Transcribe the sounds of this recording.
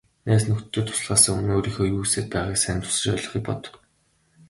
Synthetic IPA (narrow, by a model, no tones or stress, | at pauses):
næːsnɵkt̪t̪ːɵːt̪ʰʊ̥s̆ɮʁaːsə̆ŋunoːɾiːxoːjuːseːt̪̚pæːʁaːksænt̪ʰʊ̥sə̆t͡ɕɔɮɞ̆χiːk̚pɔ̰t̪ɞ̥̆k